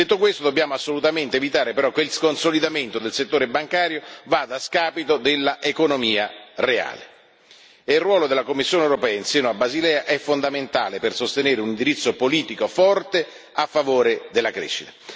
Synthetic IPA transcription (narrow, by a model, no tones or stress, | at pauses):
d̪et̪ːokwest̪od̪objaːmoasːolut̪ament̪eːvit̪aːɾepeɾɔkːeilskonsolid̪ament̪od̪elset̪ːoːɾebaŋkaːɾjovaːd̪askaːpit̪od̪elːaʔekonomiːarea̰ːlḛ | eilrwɔːlod̪elːakomːisːjoːnewɾopɛːainsjɛːnoabːazilɛːaʔɛfːond̪ament̪a̰ːlepersost̪eneːɾeunind̪iɾit̪sːopoliːt̪ikofɔrt̪e | afːavoːɾed̪elːakɾḛːʃːit̪ḁ